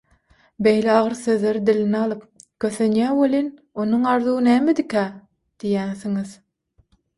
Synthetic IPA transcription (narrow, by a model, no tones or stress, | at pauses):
bejleɑʁɯɾθøðleɾid̪ilinɑlˠɯp̚kʰøθønjæːwolin | onuŋɑɾðuːnæːmed̪ikʰæ | d̪̥ijænθiŋið̥